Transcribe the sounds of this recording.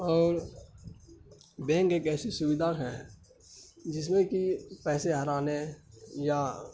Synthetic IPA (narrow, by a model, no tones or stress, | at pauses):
ɔːɾ | bɛ̃ːŋkekɛːsisʊʋɪd̪ʱaːɾɦɛ̃ː | d͡ʒɪs̬mẽkipɛːseɦɐɾaːneja